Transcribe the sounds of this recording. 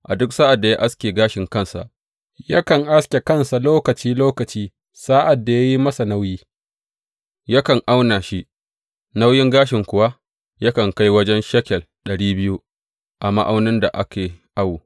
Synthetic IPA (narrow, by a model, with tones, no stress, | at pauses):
ʔa̰˨dʊ˦ksa˦ʔa˨dːa˨ja˦ʔa˦skʲeː˨ɡaː˦ʃɪ˨ŋkɐ˦nsa̰˨ʔ | ja̰˦kɐ˨ŋʔa˦skʲe˨kɐ˦nsa˨loː˦kɐ˨t͡ʃiː˦loː˦kɐ˨t͡ʃiː˦ | sa˦ʔa˨dːa˨ja˦ji˦mɐ˦sa˨na˦wjiː˦ | ja˦kɐ˨ŋʔa˦wna˨ʃi˦ʔ | na˦wjɪ˦ŋɡaː˦ʃɪ˨ŋkʷʊ˦wa˦ | jɐ˦kɐ˨ŋka˦jwɐ˦d͡ʒɛ˦nʃɐ˦kʲɛ˨l | ɗɐ˨ɽiː˦bɪ˦ju˦ | ʔa˨ma̰˦ʔa˦wnɪ˦nda˨ʔa̰˦kʲeː˨ʔa˦wu˨